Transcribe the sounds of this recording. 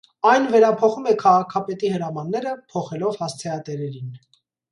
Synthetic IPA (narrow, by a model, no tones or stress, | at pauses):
ɑjnvɛɾɑpʰɔχumɛkʰɑʁɑkʰɑpɛt̪ihəɾɑmɑnːɛɾəpʰɔχɛlɔvhɑst͡sʰɛɑt̪ɛɾɛɾin